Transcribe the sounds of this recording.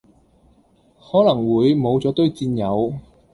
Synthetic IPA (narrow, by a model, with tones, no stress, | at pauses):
hɔː˨˥lɐ˨˩ŋwuː˨˧jmo˨˧wt͡sɔː˨˥t̪ɵ˥ɥt͡siː˧njɐ˨˧w